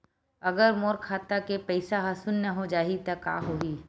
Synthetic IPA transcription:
ɐɡəɾmoːɾkʰaːt̪akepɛɪsaɦasulnɐɦod͡ʒaːit̪ɐka̰ːɦoːiː

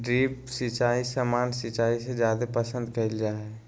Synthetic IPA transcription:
ɖɾiːpsɪt͡ʃaːisəmaːnsɪt͡ʃaːised͡ʒjaːd̪epəsə̃nd̪kəild͡ʒaːɦɛ

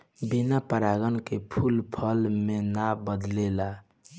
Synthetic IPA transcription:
binapəɾaɡənkepʰulpʰəlmenabəd̪lela

